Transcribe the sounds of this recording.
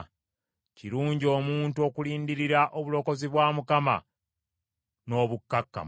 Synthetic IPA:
ciɾuːɲɟio̞ːmuːntuo̞kuliːndiɾiɾaʔoβulo̞ko̞ziβwaːmukama̰ | no̞ːβukːakːa̰

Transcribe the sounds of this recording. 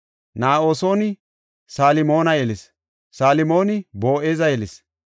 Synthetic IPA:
naːʔo̞ːso̞ːnɪ | saːlɪmo̞ːnɐjɛlɪs | saːlɪmo̞ːnɪbo̞ːʔeːzɐjɛlɪs

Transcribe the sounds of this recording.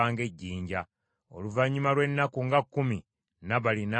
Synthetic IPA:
aːŋɡe̞ɟːiːɲɟa | o̞̰luvaɲːumalwe̞nːakuŋɡakːumi | naβalina

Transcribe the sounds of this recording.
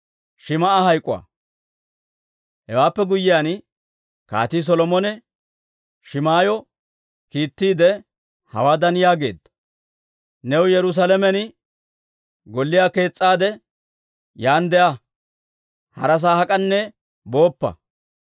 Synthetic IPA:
ʃɪmɐahɐjkʼːʊwa̰ | hɛwaːpːɛɡʊjːɪjaːn | ka̰ːt̪iːs̬ɔlɔmɔnɛ | ʃɪmaːjɔ | kiːt̪ːiːd̪ɛ | hɐ̰waːd̪ɐnɪjaːɡe̞̰ːd̪ɐ | nɛwjɛɾʊs̬alɛmɛnɪ | ɡɔlːɪjaːke̞ːt͡sʼːaːd̪ɛ | jaːnd̪ɛʔɐ | hɐ̰ɾɐs̬aːhɐkʼɐnːɛ | bo̞ːpːɐ̰

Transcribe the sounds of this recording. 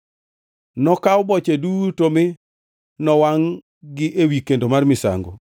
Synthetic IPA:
nɔkawbɔt͡ʃedutomɪ | nɔwaŋ | ɡɪʔewikendomarmɪsa̰ŋɡo̰

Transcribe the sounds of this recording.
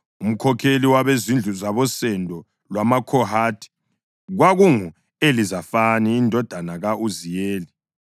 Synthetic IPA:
um̩kʰɔkʰeliwaβezind͡ɮʱuzaβɔsɛndʱɔ | lwamakʰɔhaːtʰʼi̥ | ɣwaɣuŋu | elizafaniːndʱɔd̥ʱanaɣauzijeːli

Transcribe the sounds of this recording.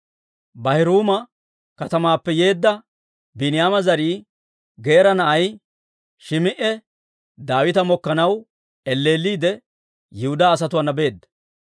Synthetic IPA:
bɐhɪɾuːmɐ | kɐt̪ɐmaːpːɛje̞ːd̪ːɐ | bɪnɪjaːmɐzɐɾiː | ɡe̞ːɾɐnɐʔɐj | ʃɪmɪʔɛ | d̪aːwɪt̪ɐmɔkːɐnɐw | ɛlːe̞ːlːiːd̪ɛ | jɪhʊd̪aːs̬ɐt̪ʊwɐnːɐbe̞ːd̪ːɐ̥

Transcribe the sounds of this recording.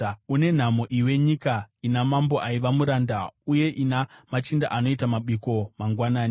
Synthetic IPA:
une̞n̤amo̞ʔiwe̞ɲikainamambo̞ʔaiʋamuɾandauje̞ʔinamat͡ʃinda̰ʔano̞itamaɓiko̞maŋɡwanaːni

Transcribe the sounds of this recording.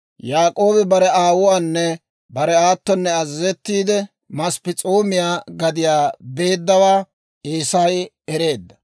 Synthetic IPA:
jaːkʼo̞ːbɪbɐɾɛaːwʊwaːnːɛ | bɐɾɛaːt̪ːɔnːɛɐzɪzɛt̪ːiːd̪ɛ | mɐspɪt͡sʼoːmɪjaːɡɐd̪ɪjaːbe̞ːd̪ːɐwaː | eːsaj | ɛɾe̞ːd̪ːɐ̥

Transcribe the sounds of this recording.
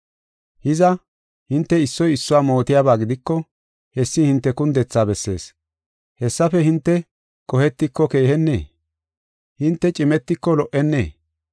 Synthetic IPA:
hɪzɐ | hɪnt̪ːɛɪsːɔjɪsːʊwaːmo̞ːt̪ɪjaːbaːɡɪd̪ɪkːɔ | hɛsːɪhɪnt̪ːɛkʊnd̪ɛt͡sːaːbɛsːe̞̰ːs | hɛsːɐfɛhɪnt̪ːɛ | kʼɔhɛt̪ːɪkːɔke̞ːhɛnːḛː | hɪnt̪ːɛt͡ʃʼɪmɛt̪ːɪkːɔlɔʔɛnːeː

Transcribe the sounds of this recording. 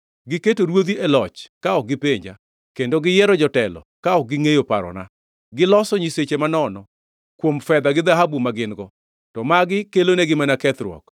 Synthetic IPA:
ɡɪketoɾwod̪iɛlɔt͡ʃkaɔɡɪpeɲd͡ʒa̰ | kendoɡɪjɛɾɔd͡ʒɔtɛlɔ̰kaɔk̚ɡɪŋejopaɾɔ̰na̰ | ɡɪlɔsɔɲiset͡ʃemanɔnɔ | kwomfɛd̪aɡɪd̪aɦabumaɡɪnɡɔ | tɔmaɡɪkeloneɡɪmanakɛt̪ɾwɔ̰k

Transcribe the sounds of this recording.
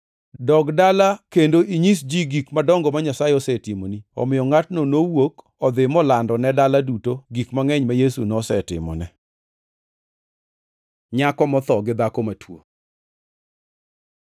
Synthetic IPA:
dɔɡdalakendoʔiɲisd͡ʒiɡikmadɔŋɡɔmaɲasajeɔsɛtimoniɔ̰mɪjɔŋatnonowok | ɔd̪ɪmɔlandɔnɛdaladutoɡikmaŋɛɲmajesunɔsɛtɪ̰mɔ̰nɛ | ɲakɔmɔt̪ɔɡɪd̪akɔmatwo̰

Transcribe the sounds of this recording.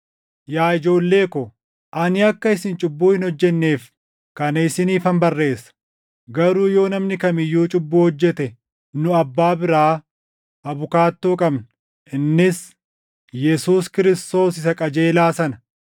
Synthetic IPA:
jaːɪd͡ʒo̞ːlːe̞ːkɔ | ʔɐnɪɐkːɐɪsɪnt͡ʃʼʊbːuːhɪnhɔd͡ʒːɛnːe̞ːf | kɐnɐɪsɪniːfɐmbɐrːe̞ːsːɐ̥ | ɡɐɾuːjo̞ːnɐmnɪkɐmɪjːuːt͡ʃʼʊbːuːhɔd͡ʒːɛt̪ɛ | nʊɐbːaːbɪɾaː | ʔɐbʊkaːt̪ːoːkʼɐbn | ʔɪnːɪs | jɛsuːskɪɾɪst̪o̞ːsɪsɐkʼɐd͡ʒe̞ːlaːsɐnɐ̥

